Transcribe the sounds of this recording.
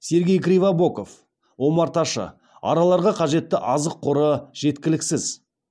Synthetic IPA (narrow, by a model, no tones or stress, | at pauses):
se̞ɾɡʲe̞jkɾʲijvabo̞ko̞f | wo̞mɑɾt̪ɑʃə̰ | ɑ̰ɾɑlˠɑɾʁɑqʰɑʒe̞t̪ːɪʔɑzəqʰːʊɾəʒ̥e̞t̪kʲɪlɪksɪz̥